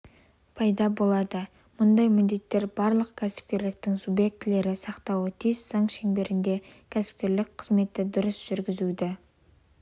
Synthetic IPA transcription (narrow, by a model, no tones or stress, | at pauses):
pʰɑjd̪ɑbo̞lˠɑd̪ə | mʊnd̪ɑjmɪnd̪e̞t̪ːe̞ɾbɑɾlˠəqkʲʰæsɪ̥p̚kʲe̞ɾlɪk̚t̪ɪŋsubje̞k̚t̪ɪle̞ɾɪsɑqt̪ɑwət̪ʰizz̥ɑŋʃe̞ŋbe̞ɾɪnd̪e̞kʲʰæsɪ̥p̚kʲe̞ɾlɪk̚ʲqʰəzme̞t̪ɪd̪ʊɾəsʒ̥ʏɾɡʲɪzud̪ɪ